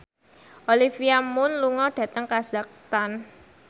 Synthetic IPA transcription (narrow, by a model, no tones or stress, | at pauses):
ʔolifiamʊnluŋɔɖ̥ä̤t̪əŋkazak̚st̪an